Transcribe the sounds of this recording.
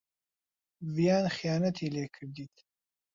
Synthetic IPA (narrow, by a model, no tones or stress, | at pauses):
vijaːnχijaːnɐt̪ʰiːleːkʰɨɾd̪iːt̪ʰ